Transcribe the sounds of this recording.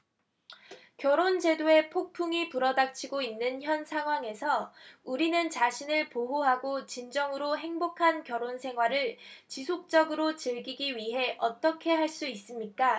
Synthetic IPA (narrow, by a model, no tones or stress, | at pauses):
kjʌɾond͡ʑe̞doe̞pʰok̚pʰuŋipuɾʌdak̚t͡ɕʰiɡoinːɯnçjʌnsʰaŋɦwaŋe̞sʰʌuɾinɯnt͡ɕaɕʰinɯɭpoɦoɦaɡot͡ɕind͡ʑʌŋɯɾoɦe̞ŋbokʰankjʌɾonsʰe̞ŋɦwaɾɯɭt͡ɕisʰok̚t͡ɕ͈ʌɡɯɾot͡ɕɯɭɡiɡiɥiɦe̞ʔʌt͈ʌkʰe̞ɦaɭs͈uis͈ɯmɲik͈a